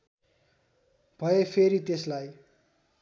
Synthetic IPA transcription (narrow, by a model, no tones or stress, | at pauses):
b̥ʱʌjepʰeɾit̪eslaj